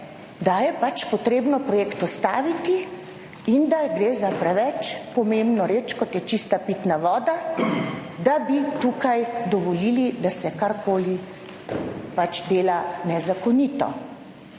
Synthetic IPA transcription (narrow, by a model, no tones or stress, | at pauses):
d̪ajɛpat͡ʃpɔt̪ɾeːbnɔpɾɔjeːkt̪ɔst̪aːʋit̪i | ind̪aɡɾeːzapɾɛʋɛt͡ʃpɔmembnɔɾeːt͡ʃkɔt̪jɛt͡ʃist̪apit̪naʋɔːd̪a | d̪abit̪uːkajd̪ɔʋɔlilid̪asɛkaɾkoːli | pat͡ʃd̪eːlanɛzakɔniːt̪ɔ̰